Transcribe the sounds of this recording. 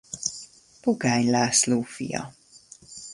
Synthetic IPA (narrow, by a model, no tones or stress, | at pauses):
puɡajnlaːsluːfḭjɑ̰